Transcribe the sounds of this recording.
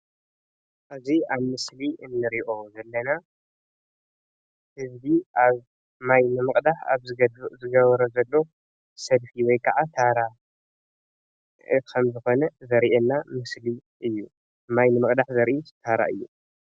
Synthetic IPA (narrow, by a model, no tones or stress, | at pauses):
ʔɨziaβmɨsliɨnːɨɾiʔo̞zɐlːɐna | hɨzbiaβ | majnɨmɨkʼd̪aħa̰βzɨzɨɡɐβɐɾozɐlːo̞ | sɐd̪fiwɔjkʰɐʕat̪ʰaɾa | kʰɐmzɨxo̞nɐzɐɾʔenːamɨsli | ʔɨjːu | majnɨmɨkʼd̪aħzɐɾʔit̪ʰaɾa̰ʔɨ̰jːu